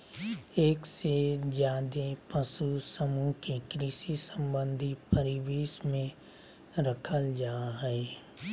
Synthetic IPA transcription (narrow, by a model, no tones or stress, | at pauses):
eːksed͡ʒjaːd̪epəsusəmũkekɾɪʃisə̃mbə̃nd̪ʱipɐɾɪʋeːʃmẽ | ɾɐkʰəld͡ʒaːɦɛe